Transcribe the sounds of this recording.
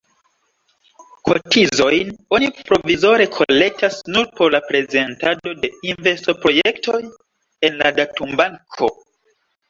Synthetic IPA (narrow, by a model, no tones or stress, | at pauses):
kʰo̞tizo̞jno̞nipɾo̞vizo̞ɾe̞kʰo̞le̞k̚tasnuɾpo̞ɾlapɾe̞ze̞ntado̞de̞inve̞stopɾo̞jekto̞j | e̞nladatumbaŋkʰo̞